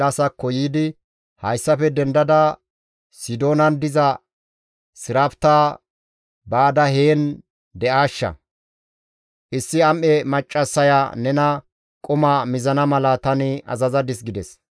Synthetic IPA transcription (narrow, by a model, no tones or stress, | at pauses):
ɐsɐkːɔjiːd̪ɪ | hɐjsːɐfɛd̪ɛnd̪ɐd̪ɐ | sɪd̪o̞ːnɐnd̪ɪzɐ | sɪɾɐft̪aː | baːd̪ɐheːn | d̪ɛʔaːʃːɐ̰ | ʔɪsːɪɐmʔɛmɐt͡ʃʼːɐsːɐjanɛnɐ | kʼʊmamɪzɐnɐmɐlɐt̪ɐnɪʔɐ̰zɐzɐd̪ɪs̬ɡɪd̪ɛs